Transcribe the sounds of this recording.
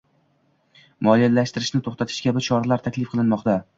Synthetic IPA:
mɒlijalaʃt̪ɪɾɪʃnɪt̪ʰoχt̪at̪ʰɪ̥ʃkʲʰabɪt͡ʃʰɒɾalaɾt̪ʰakʲlɪfqʰɨlˠɪnmɒqt̪a

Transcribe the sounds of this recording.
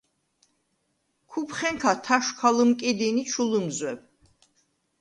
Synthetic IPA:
kʰupʰχɛŋkʰat̪ʰaʃkʰalɨmkʼid̪init͡ʃʰulɨmzwɛb̚

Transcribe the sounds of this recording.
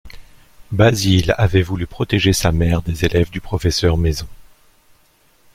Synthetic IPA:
bazilavɛvulypχɔt̪eʒesamɛʁd̪ezelɛvd̪ypχɔfɛsœʁmezɔ̃

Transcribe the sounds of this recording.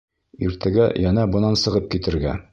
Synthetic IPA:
iɾt̪ʰæɡæ̰jɑnɑbɤ̆nɑnsɤ̆ʁɤp̚kit̪ɘ̆ɾɡæ

